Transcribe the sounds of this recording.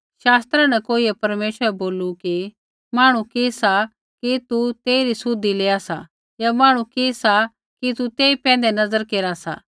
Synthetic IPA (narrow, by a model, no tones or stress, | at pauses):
ʃaːst̪ɾãnɛkoːiɛpɐɾmeːʃəɾɛboːluki | maːɽ̃ukeːsa | kit̪ut̪eːiɾisʊd̪ːileːasa̰ | jamaːɽ̃ukesa | kit̪ut̪eːipɛ̃ːn̆d̪enɐzəɾkeːɾasa̰